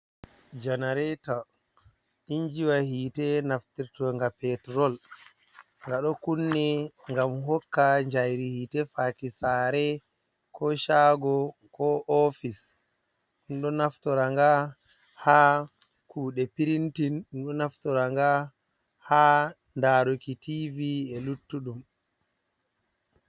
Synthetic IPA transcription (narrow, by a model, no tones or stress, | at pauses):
d͡ʒanaɾɛta | ɗiɲd͡ʒiwahiːtɛnaftiɾtɔŋɡapɛtɾɔl | ŋɡaɗɔkunːɛŋɡamɦɔkːaɲd͡ʒajɾihiːtɛfakisaːɾɛ | kʰɔʃaɡɔkɔʔɔfis | ɗumɗɔnaftɔɾaŋɡa | haː | kuːɗɛpiɾintinɗumɗɔnaftɔɾaŋɡa | haː | ndaːɾokitiviɛlutːuɗum